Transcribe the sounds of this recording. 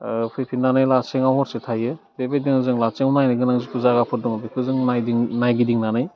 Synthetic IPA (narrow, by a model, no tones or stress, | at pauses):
pʰɯjpʰinanɯjlaseŋawhɔɾsetʰajɯ | bebediŋɯzɯŋlat͡ʃeŋwnajnɯɡɯnaŋzipuzaɡapʰɯt̚dɔŋabikʰɯzɯŋnajdiŋnajɡidiŋnanɯj